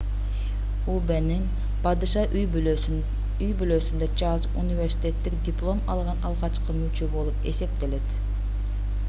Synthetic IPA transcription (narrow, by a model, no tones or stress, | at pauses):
ubeniŋ | pɑd̪ɯʃɑʔyj | yjbyløːsynd̪æt͡ʃɑlˠzṵnʲivʲe̞rʲsi̥t̪ʲe̞t̪ːik̚d̪ʲɪplˠo̞mɑlˠʁɑnɑlˠʁɑt͡ʃqɯmyt͡ʃøbo̞lˠupe̞̰se̞p̚t̪e̞le̞t̪